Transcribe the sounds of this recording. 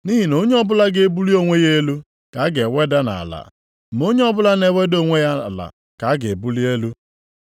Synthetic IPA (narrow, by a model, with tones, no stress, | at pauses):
ni˦ɦi˨no˦ɲe˦ɔ˦bʊ˦la˦ɡe˦e˦bu˦li˦o˦ŋʷe˦je˦lu˦ | ka˨a˦ɡe˨we˦da˦na̰˨a̰˨la̰˨ | mo˦ɲe˦ɔ˦bʊ˦la˦ne˦we˦do˦ŋʷe˦ja˦a˨la̰˨ | ka˨a˦ɡe˨e˨bu˦li˦e˦lu˦